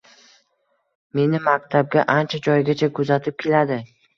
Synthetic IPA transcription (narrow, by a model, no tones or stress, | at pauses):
me̞nɪmak̚ʲt̪ʰab̚ɡʲaʔant͡ʃʰad͡ʒɒjɡʲat͡ʃʰakʰʊzat̪ʰɪp̚kʲʰe̞lad̪ɪ